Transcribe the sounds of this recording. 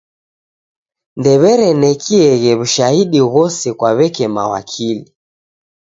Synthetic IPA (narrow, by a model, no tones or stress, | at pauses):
ndɛβɛɾɛnɛkʰiɛɣɛβuʃahiɗiɣɔsɛkwaβɛkɛma̰wa̰kʰili